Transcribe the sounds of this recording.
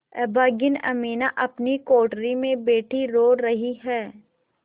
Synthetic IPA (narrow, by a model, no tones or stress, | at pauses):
ɛbaːɡɪnɐ̰miːnaʔɐpnikoːʈɾimẽbeːʈʰiɾoːɾɐɦiɦɛː